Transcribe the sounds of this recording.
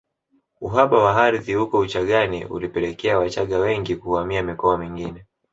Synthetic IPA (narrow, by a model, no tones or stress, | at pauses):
uɦaɓawaɦaɾiðihukɔut͡ʃaɠanḭṵlipɛlɛkɛawat͡ʃaɠawɛŋɡikuamiamikɔamiŋɡinɛ